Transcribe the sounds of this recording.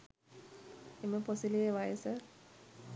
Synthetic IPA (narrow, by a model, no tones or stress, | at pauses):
eməposilijeʋajəsə